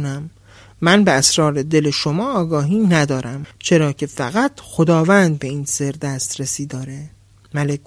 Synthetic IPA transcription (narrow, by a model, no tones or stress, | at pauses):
næmː | ænbeæsɾɒːɾe̞d̪e̞leʃo̞mɒːɒːɡɒːɦiːnæd̪ɒːɾæmt͡ʃʰe̞ɾɒːcʰe̞fæɣæt̪ʰxo̞d̪ɒːvænd̪̚be̞iːnse̞ɾd̪æst̪ɾesiːd̪ɒːɾe | mælek